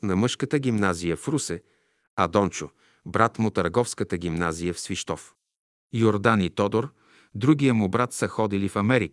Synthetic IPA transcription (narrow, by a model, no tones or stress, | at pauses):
nɐmɤʃkət̪əɡʲimnazijəfɾusɛ | ɐd̪ɔnt͡ʃʊ | bɾat̪mʊt̪əɾɡɔfskət̪əɡʲimnazijəfsviʃt̪ɔf | joɾd̪anit̪ɔd̪oɾ | d̪ɾuɡ̟ijəmʊbɾat̪səxɔd̪ilifɐmɛɾik